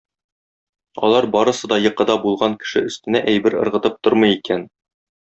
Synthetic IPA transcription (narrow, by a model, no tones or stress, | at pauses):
ɒ̰lˠɑɾbɒɾɤ̆sɤd̪ɒjɤ̆qɤ̆d̪ɑbulˠʁɑŋkɘ̥̆ʃɘɵ̆st̪ɘ̆næʔæjbɘɾɤ̆ɾʁɤ̆t̪ɤp̚t̪oɾmɤ̆jikæn